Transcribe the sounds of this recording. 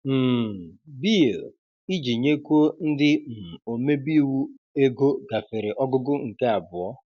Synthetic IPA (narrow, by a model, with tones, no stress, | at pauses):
m̩˨bi˦o˨ | i˦d͡ʒi˨ɲe˦kʷo˦n̩˦dɪ˦m̩˨o˨me˦bi˦wu˦ | e˦ɡo˦ɡa˨fɪ˨ɾɪ˨ʔɔ˦ɡʊ˦ɡʊ˦ŋ̩˨ke˦a˨bʊ˨ɔ˦